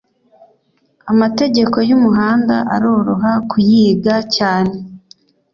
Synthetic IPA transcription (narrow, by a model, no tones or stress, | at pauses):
amate̞ɟe̞ko̞jumuɦaːnda̰ʔaɾoːɾoɦakʰujiːɡacaːne̞